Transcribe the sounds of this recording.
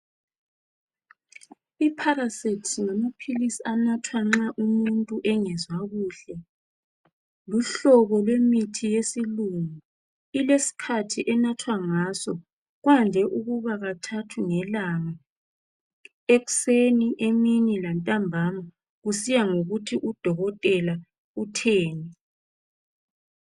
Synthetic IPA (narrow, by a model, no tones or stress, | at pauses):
ipʰaɾasitʰsŋamapʰilisianatʰwaŋ͡ǁaʔumuntʼuʔɛŋɛzwaɣuːɬɛ | luɬɔβɔlwemitʰijesiluŋu | ilesi̥kʰatʰiʔɛnatʰwaŋaːsɔ | ɣwandʱɛʔuɣuβaɣatʰatʰuŋɛlaŋa | eɣu̥seniʔeminilantʼambʱama | ɣusijaŋoɣutʰiʔud̥ʱɔɣɔtʼɛla | utʰeːni